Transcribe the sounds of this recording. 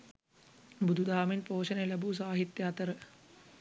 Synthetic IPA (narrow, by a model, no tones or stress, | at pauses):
bud̪ʱud̪ʱaːminpoːʃɐnɐjɐlɐbus̬aːɦit̪jaːt̪ɐɾə